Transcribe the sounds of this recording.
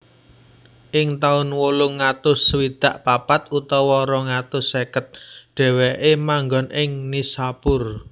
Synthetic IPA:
ʔɪŋt̪aʊnwolʊŋːat̪ʊsəwid̪̥ä̤ʔpapat̪ut̪ɔwɔɾɔŋat̪ʊsːekət̪̚ɖ̪̥ɛ̤weʔemaŋɡɔ̤nʔɪŋnisapʊr

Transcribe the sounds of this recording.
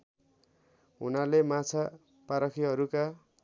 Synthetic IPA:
ɦunalemat͡sʰa | paɾʌkʰiɦʌɾuka

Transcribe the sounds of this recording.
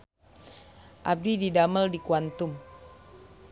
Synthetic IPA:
ʔab̚dididaməldikuant̪um

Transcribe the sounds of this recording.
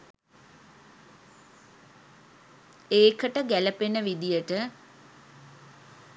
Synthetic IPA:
eːkəʈəɡæləpenəʋid̪ijəʈə

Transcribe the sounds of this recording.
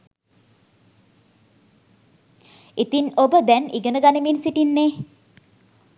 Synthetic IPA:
it̪inobəd̪ɛniɡənəɡanəminsiʈinːe

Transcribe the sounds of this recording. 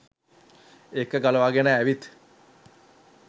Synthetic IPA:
ekəɡaləʋaɡenəæʋit̪

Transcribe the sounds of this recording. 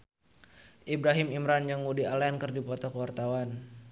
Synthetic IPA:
ʔibɾaɦɪmimɾand͡ʒaŋudialankərdipɔt̪ɔkəwart̪awan

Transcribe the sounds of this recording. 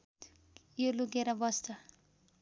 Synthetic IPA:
joluɡeɾʌbʌst̪ʌ

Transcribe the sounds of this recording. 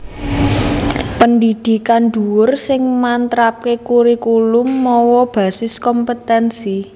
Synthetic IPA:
pənd̪id̪̥i̤kanɖ̪̥ṳwʊrsɪŋmant̪ɾap̚kekuɾikulʊmːɔwɔb̥ä̤sɪskɔmpət̪ɛnsi

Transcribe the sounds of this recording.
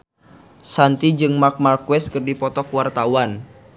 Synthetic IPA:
sant̪id͡ʒɨŋmak̚markwɛst̪̚kɨrdipɔt̪ɔkwart̪awan

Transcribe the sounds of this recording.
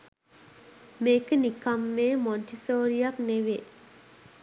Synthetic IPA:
meːkənikamːeːmɔnʈisoːɾijakneʋe

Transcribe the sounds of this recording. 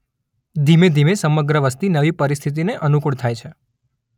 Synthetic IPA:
d̪ʱimed̪ʱimesəməɡɾəʋəst̪inəʋipəɾist̪ʰit̪̬ineʔənukuɽt̪ʰajt͡ʃʰe

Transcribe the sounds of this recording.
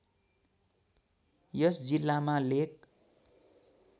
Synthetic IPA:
jʌsd͡zilːamalek̚

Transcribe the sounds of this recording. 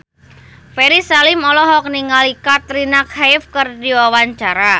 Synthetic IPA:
feɾisalɪmɔlɔɦɔk̚niŋalikat̪ɾinakhajfkərdiwawaɲt͡ʃaɾa

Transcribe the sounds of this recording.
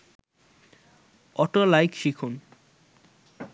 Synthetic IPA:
ɔʈolajkʃikʰon

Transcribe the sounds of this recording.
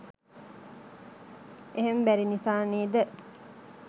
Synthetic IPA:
eɦembæɾinifaːniːd̪ə

